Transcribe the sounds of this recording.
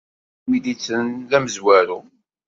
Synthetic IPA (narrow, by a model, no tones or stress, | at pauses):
widit͡sːənlæməzwæɾu